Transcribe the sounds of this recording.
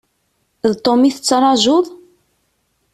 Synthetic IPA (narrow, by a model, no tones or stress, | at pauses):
ðt̪ˤːomiθət͡sːɾˤɑʒʊðˤ